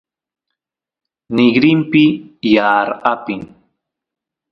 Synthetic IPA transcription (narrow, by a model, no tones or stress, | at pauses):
nɪɡɾɪmpɪjaːɾapɪŋ